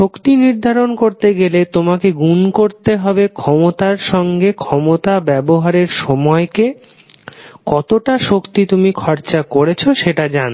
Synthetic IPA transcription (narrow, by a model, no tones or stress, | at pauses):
ʃokt̪iniɾd̪ʱaɾonkoɾt̪eɡelet̪omakeɡunkoɾt̪eɦɔbekʰɔmot̪aɾʃɔŋɡekʰɔmot̪abɛboɦaɾeɾʃɔmɔeke | kɔt̪oʈaʃokt̪it̪umikʰɔɾt͡ɕakoɾet͡ɕʰoʃeʈad͡ʑan